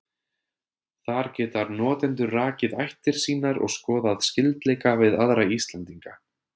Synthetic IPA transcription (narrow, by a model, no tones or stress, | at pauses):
θaɾ̥cɛːt̪aɾnɔːt̪ɛnt̪ʏraːcɪðajht̪ɪɾ̥siːnaɾɔ̰ɣskɔːðaðscɪlt̪lɛːjkavɪðaðɾaist̪lant̪iŋka